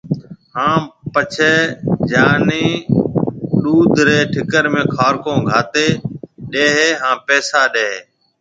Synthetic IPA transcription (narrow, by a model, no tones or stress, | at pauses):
hãːpət͡ʃʰeːd͡ʒaːniː | ɗuːd̪ʱɾeːʈʰɪkəɾmẽːkʰaːɾkõːɡʱaːt̪eːɗeːɦeːɦãːpɛːsaːɗeːɦeː